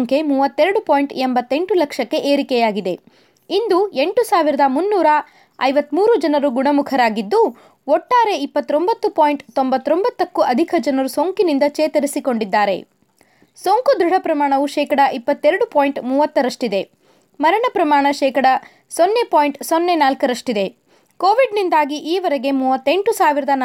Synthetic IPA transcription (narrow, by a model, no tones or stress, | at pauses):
ŋkemuːʋɐt̪ːeɾɐɽupoːjɳʈembɐt̪ːe̞ɳʈulɐkʂɐkːe̞ʔeːɾikɛjaːɡid̪e̞ | ind̪ue̞ɳʈusaːʋiɾɐd̪ɐmunːuːɾɐ | ɐjʋɐt̪muːɾud͡ʒɐnɐɾuɡuɳɐmukʰɐɾaːɡid̪ːu | ɔʈːaːɾe̞ipːɐt̪ːɾo̞mbɐt̪ːupoːjɳʈt̪o̞mbɐt̪ːɾo̞mbɐt̪ːɐkːuʔɐd̪ʱikʰɐd͡ʒɐnɐɾusoːŋkinind̪ɐt͡ʃeːt̪ɐɾisikoɳɖid̪ːaːɾe̞̰ | soːŋkud̪ɾuɽ̤ʱɐpɾɐmaːɳɐʋuʃɛːkɐɽɐʔipːɐt̪ːeɾɐɽupoːjiɳʈmuːʋɐt̪ːɐɾɐʂʈid̪e̞ | mɐɾɐɳɐpɾɐmaːɳɐʃɛːkɐɽɐ | sonːe̞poːjɳʈsonːe̞naːlkɐɾɐʂʈid̪e̞ | koːʋiɖnind̪aːɡiʔiːʋɐɾɛɡe̞muːʋɐt̪ːe̞ɳʈusaːʋiɾɐd̪ɐn